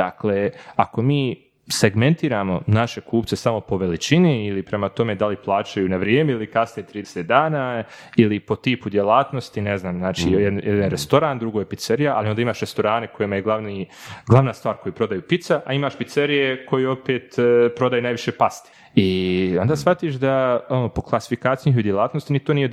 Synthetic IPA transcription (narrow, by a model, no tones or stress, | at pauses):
d̪akleːako̞miː | se̞ɡme̞nt̪iːɾaːmo̞̰naʃe̞kuːpt̪se̞samo̞po̞ʋe̞lit͡ʃiniilipɾe̞mat̪o̞me̞d̪aliplˠaːt͡ʃajuːnaʋɾjeːmeilikasnijet̪ɾiːd̪eset̪̚d̪aːnaː | ilipo̞t̪iːpud̪jelaːt̪no̞st̪ineznaːmzaːt͡ʃḭjejed̪anɾest̪o̞ɾaːnd̪ɾuɡojepit̪seɾijaʔa̰lˠiond̪aimaːʃɾe̞st̪o̞ɾaːne̞ko̞jemajeɡlˠaʋniɡlˠaʋnaːst̪vʋaːɾko̞jipɾo̞d̪ajuːpit̪saʔaimaːʃpit̪seɾijekʰo̞jio̞peːt̪pɾo̞d̪ajunajʋiʃe̞past̪i̥ | io̞nd̪aːsʋat̪iʃd̪aonoːpo̞klˠasi̥fikaːt̪sijniɦud̪jelˠaːt̪nost̪init̪oːnije̞d̪